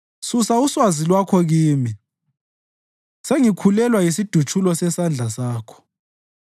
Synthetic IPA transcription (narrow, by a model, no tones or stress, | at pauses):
susauswazilwakʰɔɣiːmi | seŋikʰulɛlwajisid̥ʱut͡ʃʰʼulɔsɛsand͡ɮʱasaːkʰɔ̥